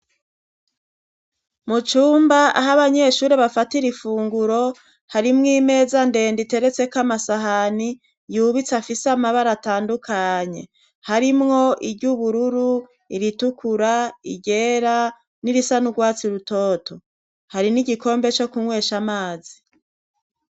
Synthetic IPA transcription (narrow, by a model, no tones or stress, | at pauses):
mut͡ʃuːmbaaɦaβaɲe̞ʃuːɾeβafatiɾifuːŋɡuɾo̞ | haɾimŋiːme̞ːzande̞ːndite̞ɾe̞t͡se̞kamasaɦani | juβit͡safisamaβaɾataːndukʰaɲe̞̰ | haɾimŋo̞ʔiɾɟuβuɾuɾu | iɾitukʰuɾaḭɟe̞ːɾa | niɾisanuɡwaːt͡siɾuto̞ːto̞ | haɾiniɟiko̞ːmbe̞t͡ʃo̞kumwe̞ːʃamaːzi